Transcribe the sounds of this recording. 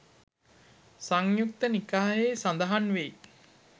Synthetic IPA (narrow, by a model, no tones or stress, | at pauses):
saŋjuk̚t̪ənikaːjeːsand̪aɦanʋei